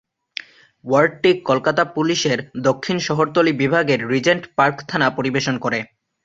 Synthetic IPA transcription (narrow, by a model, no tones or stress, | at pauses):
waɾɖ̚ʈikːolkat̪apuliʃeɾd̪okʰːinʃɔɦoɾt̪olibibʱaɡeɾːid͡ʑeɳʈpaɾkt̪ʰanapoɾibeʃonkoɾe